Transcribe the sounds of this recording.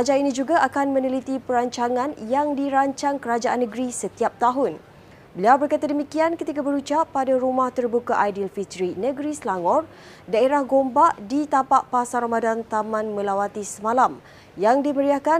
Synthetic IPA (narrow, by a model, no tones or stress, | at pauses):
ad͡ʒainĩd͡ʒuɡaʔakanmə̃nəlit̪ipəɾaɲt͡ʃaŋãnjaŋdiɾaɲt͡ʃaŋkəɾad͡ʒaʔanːəɡɾisət̪iap̚t̪aɦʊn | bəliawbərkat̪adəmikiankət̪ikabəɾut͡ʃapːadaɾumaht̪ərbukaʔajdilfit̪əɾinəɡɾislaŋɔr | daeɾahɡombaʔdit̪apaʔpasaɾamadant̪amãnmə̃lawat̪isəmãlam | jaŋdiməɾiahkan